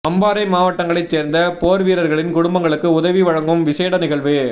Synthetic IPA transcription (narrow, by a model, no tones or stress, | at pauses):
ɐmbaːɾɐɪmaːʋɐʈːɐŋɡɐɭɐɪt͡ʃseːɾnd̪ɐpoːɾʋiːɾɐɾɣɐɭɪnkʊɽʊmbɐŋɡɐɭɯkːɯʊðɐʋiʋɐɻɐŋɡɯmʋɪseːɽɐnɪɣɐɭʋɯ